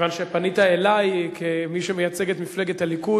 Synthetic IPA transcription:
vanʃepanit̪aelajkʰemiʃemejat͡seɡet̪mifle̞ɡethaliku

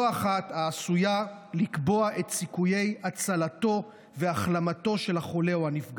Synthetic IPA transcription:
aχat̪aːsujalikbo̞aʔe̞t̪sikuje̞jat͡salato̞ | veaχlamato̞ʃe̞laχo̞le̞uhanifɡ

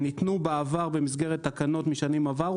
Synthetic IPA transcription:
nit̪nubaavaʁbe̞misɡe̞ʁet̪ːakano̞tmiʃanimavaʁ

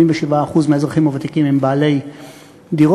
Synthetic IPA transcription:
iɱveʃivaːχuzmeezʁaχimovat̪ikimimbaːle̞j | d̪iʁo

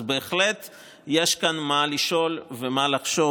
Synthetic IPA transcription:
be̞ːχlet̪ | jeʃkanmaliʃo̞lvemalaχʃo̞

